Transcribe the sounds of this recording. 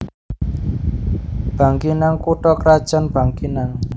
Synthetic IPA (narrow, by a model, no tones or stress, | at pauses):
b̥a̤ŋkinaŋkuʈɔkɾad̥ʒ̥anb̥a̤ŋkinaŋ